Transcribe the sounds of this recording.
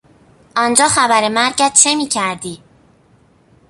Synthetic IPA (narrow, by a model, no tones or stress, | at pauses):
ʔɒnd͡ʒɒːxæbæɾemæɾɟæt̪̚t͡ʃʰe̞miːcʰæɾd̪iː